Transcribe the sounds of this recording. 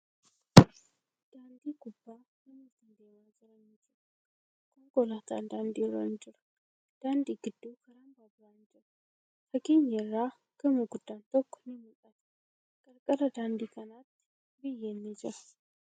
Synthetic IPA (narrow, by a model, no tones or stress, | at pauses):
d̪̥aːnd̪iːɡʊbːaː | nɪmʊt̪nd̪eːmaːd͡ʒɪɾɐnɪd͡ʒɪɾɐ | kʰɔŋɡɔlaːt̪a̰nd̪aːnd̪iɾɐ̰nd͡ʒɪɾɐ̥ | d̪̥aːnd̪iːɡɪd̪ːuːkʰɐɾambaːbɾaːnd͡ʒɪɾɐ | fɐɡiːɲjɛrːaː | ɡ̥ɐmuɡʊd̪̥ːaːnt̪ɔkːɔ̥nɪmʊlʼɐt̪ɐ̥ | kʼɐɾkʼɐlɐd̪aːnd̪iːkʰɐnaːt̪ːɪ̥ | bɪjːenːɪd͡ʒɪɾɐ̥